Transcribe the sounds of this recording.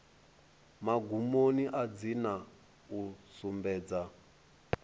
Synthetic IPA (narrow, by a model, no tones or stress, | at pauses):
maɡumoniʔad͡zina | usumbɛːd͡za